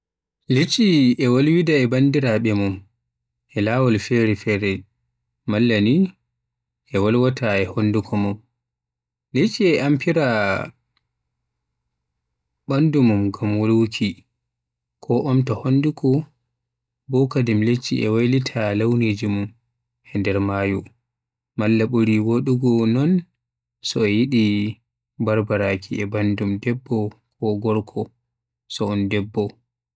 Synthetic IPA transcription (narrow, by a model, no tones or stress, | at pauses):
let͡ʃːiɛwolwidaɛbandiɾaɓɛmum | ʔɛlawɔlfɛɾɛfɛɾɛ | malːani | ʔɛwalwatʰaɛhondukʰɔmum | let͡ʃːiɛʔampiɾa | bandumumɡamwolwukʰi | kʰɔʔɔmtɔhondukɔ | bɔkadimlet͡ʃːḭʔɛwajlitʰalawned͡ʒimum | hɛndɛɾmaːju | malːaɓuɾiwoɗuɡɔnɔn | sɔɛjiɗi | baɾbaɾakʰiɛbandumdɛbːɔkʰɔɡɔɾkʰɔ | sɔɔndɛbːɔ